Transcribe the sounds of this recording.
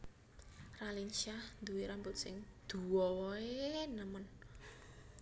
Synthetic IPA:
ralinʃahnd̪uwiɾambʊt̪̚sɪ̰ŋd̪̥uwɔɔenəmən

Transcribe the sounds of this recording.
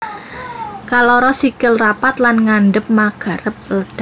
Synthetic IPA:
kalɔɾɔsikɪlrapat̪lanŋanɖəp̚maɡ̥a̤ɾəp̚ləd̪̥a

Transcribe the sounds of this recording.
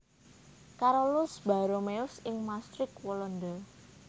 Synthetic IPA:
kaɾolʊsb̥a̤ɾomeʊsɪŋmast̪ɾɪkwɔlɔnd̪ə

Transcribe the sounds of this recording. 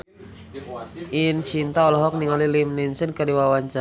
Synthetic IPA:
ʔint͡ʃint̪aɔlɔɦɔk̚niŋɔlilimninsənkərdiwawaɲt͡ʃa

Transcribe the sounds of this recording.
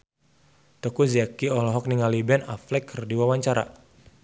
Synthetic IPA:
t̪ɔkuziakiɔlɔɦɔk̚niŋalibɛna̰flɛkʰːərdiwawaɲt͡ʃaɾa̰

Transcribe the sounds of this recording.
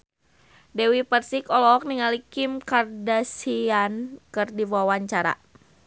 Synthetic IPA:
dɛwipərsikɔlɔk̚niŋalikimkardasiankɨrdiwawaɲt͡ʃaɾa̰

